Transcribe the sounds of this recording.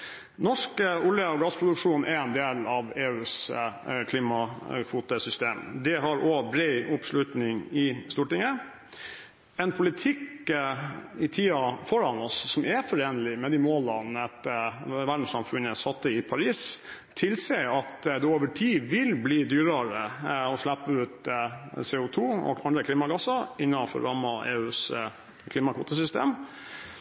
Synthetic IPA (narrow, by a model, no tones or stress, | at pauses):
nɔʂkəʊljəɔɡɑspʰɾʊd̪ʉkʂuːnʔɛɾɛnd̪eːlɑʋeːʉːskʰliːmɑkʰʋuːt̪əsʏst̪eːmd̪ɛɦɑɾobɾɛɪʔʊpslʉt̪nɪŋɪst̪uːʈɪŋə | ɛnpʰʊlɪt̪ʰɪk | ɪt̪ʰiːɑfɔɾɑnɔsːɔmʔɛfɔɾeːnəlɪmɛd̪ɪmoːlɑnɛt̪ːəʋæɖn̩sɑmfʉnəsɑt̪ːəɪpʰɑɾiːs | t̪ʰɪlseɑt̪d̪ɛoːʋəʈʰiːʋɪlbliːd̪yːɾəɾəɔʂlæpːəʉːt̪seːʊt̪ʰuːɔ̰ɡɑnd̪ɾəkʰliːmɑɡɑsɑɾɪnːɑfɔ̰ɾɑmɑʔḛːʉːs | kʰliːmɑkʰʋuːt̪ɑs̬ʏst̪ḛːm